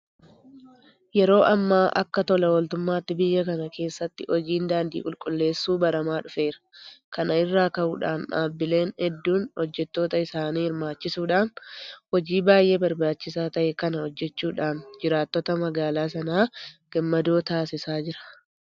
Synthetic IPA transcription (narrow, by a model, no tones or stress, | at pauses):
jɛɾo̞ːʔɐmːaːʔɐ̰kːɐt̪ɔlɐwɔlt̪ʊmːaːt̪ːɪbɪjːɐkɐnɐkʰe̞ːsːɐt̪ːɪʔɔd͡ʒiːnd̪aːnd̪ḭːkʼʊlkʼʊlːe̞ːsːuːbɐɾɐmaːᶑʊfe̞ːɾɐ̥kɐnɐɪrːaːkɐʔuːᶑa̰ːnʔa̰ːbːɪle̞ːnhɛd̪ːuːnhɔd͡ʒːɛt̪ːo̞ːt̪ɐɪsaːniːhɪɾmaːt͡ʃːɪsuːᶑaːnhɔd͡ʒiːbaːjʔe̞ːbɐɾbaːt͡ʃːɪsaːt̪ɐʔɛkɐnɐhɔd͡ʒːɛt͡ʃːuːᶑaːnd͡ʒɪɾaːt̪ːɔt̪ɐmɐɡaːlaːs̬ɐnaːɡ̥ɐmːɐd̪o̞ːt̪aːsɪsaːd͡ʒɪɾɐ̥